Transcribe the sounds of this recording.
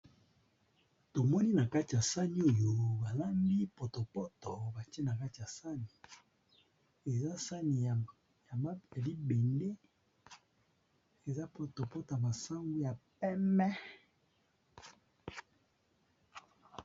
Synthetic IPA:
to˨mɔ˦ni˦na˨ka˦ti˨ja˨sa˦ni˦o˦jo˨ba˨la˦mbi˦po˨to˨pɔ˦tɔ˨ba˨ti˦e˦na˨ka˦ti˨ja˨sa˦ni˨ | e˨za˦sa˦ni˨ | ja˨m˦a˨li˦be˨nde˦ | e˨za˦po˨to˨pɔ˦to˨ja˨ba˨sa˦ŋɡu˦ja˨pɛ˦mɛ˦

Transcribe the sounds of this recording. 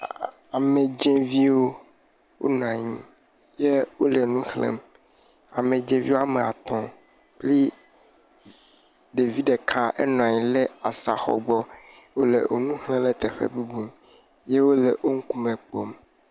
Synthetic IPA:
a˨mẽ˨d͡ʒɛ̃˦vi˦wo˦ | wʔo̰˦nɔ̃˨ã˨ɲĩ˦ | je˦wo˦le˨nũ˦xlḛ̃˦˨m | a˨mẽ˨d͡ʒẽ˦vi˦wo˦a˦˨me˨a̰˨t̪ɔ̃˨ | k͡pli˦ | ɖe˨vi˦ɖe˨kʰã˦ɛ̰˦nɔ̃˨a˨ɲĩ˨le˦a˨sa˨xɔ̰˨ɡ͡bɔ˦ | wo˦lḛ˨ʔo˨nũ˦hlẽ˦le˦t̪e˨ɸḛ˦bu˦bu˦m | je˦wo˦le˨ʔo˦ŋ̩˦ku˦mẽ˨k͡po˦m

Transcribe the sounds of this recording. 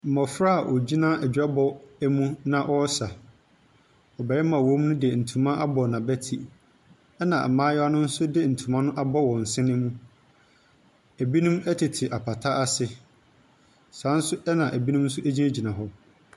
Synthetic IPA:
m̩˨mɔ˨fɾa˦˨ʔɔ˨d͡ʑi˦nã˦æ˨d͡ʑᶣa˦bɔ˦æ˦mũ˦nã˦ʔɔ˦sa˨ | ɔ˨bɛ˨ɾɛ˦mã˨wɔ̃˦m˦nʊ̃˦di˨ɛ˨n̩˨tʰũ˨mã˦ʔa˦bɔ˨nã˨bæ˦tʰi˨ | ɛ˦nã̰˨m̩˨mãː˦jɔ˦a˦nʊ̃˦n̩˦sʊ˦dɪ˦n̩˨tʰu˨mã˦nʊ̃˦ʔa˦bɔ˦wɔ̃˨n̩˨sɪ̃˦nɪ̃˦mũ˦ | æ˨bi˦nũ˦mæ˦tʰɪ˨tʰɪ˨ʔa˨pʰa˨tʰa˦ʔa˦sɪ˦ | sã˨˦n̩˦sʊ˦ʔɛ˦nã˨ʔæ˨bi˦nʊ̃˦mn̩˦sʊ˦ʔæ˦d͡ʑi˦næ˦d͡ʑi˨nã˨ɦɔ˦

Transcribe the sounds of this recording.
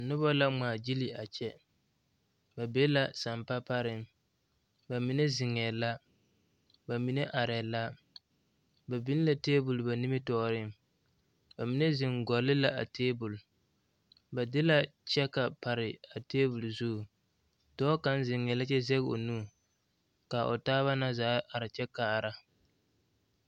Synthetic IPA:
a˨nʊ˦ba˦la˦maː˨d͡ʒi˦li˨a˨t͡ʃɛ˦ | ba˨be˦la˦sa˨mpa˦pa˦ɾɪ˦m | ba˨mi˨ne˦zɪ˨ŋɛː˨la˦ | ba˨mi˨ne˦ʔa˨ɾɛ˨la˦ | ba˨bi˦n˦la˨teː˦bʊ˨lba˨ni˦mɪ˦tɔː˨ɾɪ˦m | ba˨mi˦ne˦zɪ˨ŋɡɔ˨lɪ˦la˦a̰˨teː˦bʊ˨l | ba˨dɪ˦la˦t͡ʃɛ˦ka˨pa˨ɾɪ˨a˨teː˦bʊ˨lzu˦˨ | dɔː˦ka˦n˦zɪ˨ŋɛ˨la˦t͡ʃɛ˦zɛ˦ɣo̰˨nuː˦˨ | ka˨ʔo̰˨taː˦βa˦na˦zaː˦ʔa˨ɾɪ˨t͡ʃɛ˦ka˨ɾa˨

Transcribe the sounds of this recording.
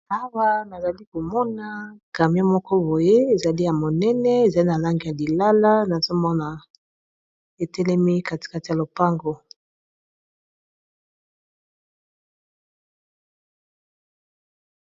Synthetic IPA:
a˦wa˦na˨za˨li˦ko˨mɔ˦na˨˦ka˨mi˦a˦mɔ˦kɔ˦bo˨je˦e˨za˨li˦ja˨mo˨nɛ˦nɛ˦e˨za˨li˦na˨la˦ŋɡi˨ja˨li˨la˦la˦na˨zo˦mɔ˦na˨ | e˨tɛ˦lɛ˦mi˦ka˨ti̥˨ka˨ti˨ja˨lo˨pa˦ŋɡo˦

